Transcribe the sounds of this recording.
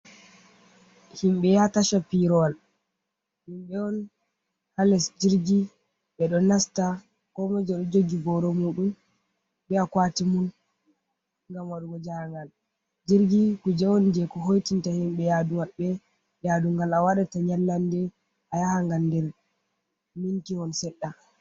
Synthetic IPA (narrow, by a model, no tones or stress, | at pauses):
himɓɛjataʃapiɾɔwal | himɓɛɔn | halɛsd͡ʒiɾɡi | ɓɛɗɔnasta | kɔmad͡ʒɛɗɔd͡ʒoɡiɡɔɾɔmuɗum | bɛakwatimun | ŋɡamwaɗuɡɔd͡ʒaŋɡal | d͡ʒiɾɡikud͡ʒɛwɔnd͡ʒɛkɔɦojtintahimɓɛjadumaɓːɛ | jaduŋɡalawaɗataɲalːandɛ | ʔajahaŋɡandɛɾ | mintiɔnsɛɗːa